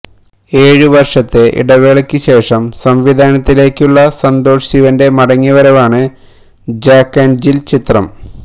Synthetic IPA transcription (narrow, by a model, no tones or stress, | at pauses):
e̞ːɻɨʋɐrʂɐt̪ːe̞ʔḭɽɐʋeɭɐkʲːɨɕe̞ːʂɐmsɐmʋid̪ʱaːnɐt̪ːile̞ːkʲːuɭːɐsɐnd̪o̞ːʂiʋɐnde̞mɐɽɐŋːiʋɐɾɐʋaːɳɨ | d͡ʑaːkːend͡ʑilt͡ɕit̪rɐ̰m